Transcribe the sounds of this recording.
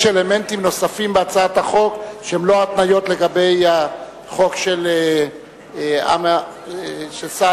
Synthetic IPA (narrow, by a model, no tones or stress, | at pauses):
ele̞me̞ntimno̞safimbeat͡saat̪aχo̞kʃehemloat̪najo̞t̪le̞ɡabe̞jha | χo̞kʃele | a̰ma | ʃelsa